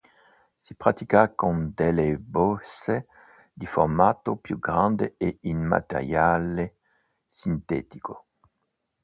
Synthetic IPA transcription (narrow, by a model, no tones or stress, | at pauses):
sipʁat̪ikakond̪elebɔse | d̪ifo̰ʁmaːt̪opjuɡʁãnd̪eeinma̰t̪ḛʁjale | sint̪ɛːt̪i̥ko